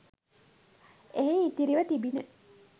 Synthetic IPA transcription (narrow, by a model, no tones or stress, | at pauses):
eɦeit̪iɾiʋət̪ibine